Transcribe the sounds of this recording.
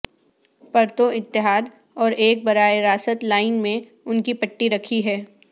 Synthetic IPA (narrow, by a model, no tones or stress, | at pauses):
pɐɾt̪oɪt̪ːɪɦaːd̪ | ɔːɾeːk̚bɐɾaːeɾaːsət̪laːɪnmẽ | ʊnkipɐʈːiɾɐkʰiɦɛː